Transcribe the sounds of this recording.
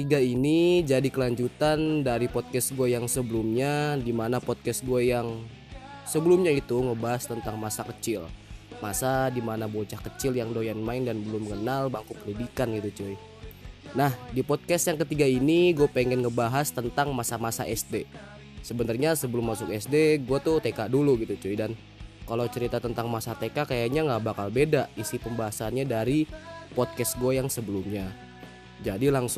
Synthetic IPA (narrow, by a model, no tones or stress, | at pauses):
t̪iɡainid͡ʒadikəlaɲd͡ʒut̪andaɾipɔt̪̚kɛsɡuajaŋsəbəlumɲadimanapɔt̪̚kɛsɡuajaŋ | səbəlʊmɲait̪uŋəbaɦast̪ənt̪aŋmasakət͡ʃɪlmasadimanabot͡ʃahkət͡ʃɪljaŋdojanmaɪndanbəlʊməŋənalbaŋkupəndidikanɡit̪ut͡ʃoi | nahdipɔd̚kɛst̪jaŋkət̪iɡainiɡuapeŋɛnŋəbaɦast̪ənt̪aŋmasamasa̰ʔɛsde | səbənarɲasəbəlʊmːasʊkɛsdeɡuat̪ut̪ekaʔduluɡit̪ut͡ʃoidan | kalot͡ʃəɾit̪at̪ənt̪aŋmasat̪ekakajaɲaŋɡaʔbakalbedaʔisipəmbaɦasanɲadaɾipɔt̚kɛsɡuajaŋsəbəlʊmɲa | d͡ʒadilaŋs